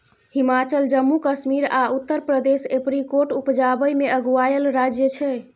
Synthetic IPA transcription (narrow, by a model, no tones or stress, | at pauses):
himat͡ʃəld͡ʒəmːukəsmiɾaut̪ːəɾpɾəd̪esepɾikoʈupd͡ʒabəjmeəɡuajəlɾad͡ʒjət͡ʃʰɛ